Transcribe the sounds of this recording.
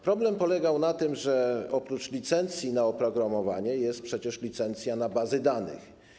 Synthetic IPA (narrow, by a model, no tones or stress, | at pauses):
pɾɔblɛmpɔlɛɡawnat̪ɘmʐɛɔpɾut͡ʂlʲit̪sɛnt̪sʲjinaɔpɾɔɡɾamɔvaɲɛjɛst̪̚pʂɛt͡ɕɛʂlʲit̪sɛnt̪sʲjanabazɘd̪anɘ̰x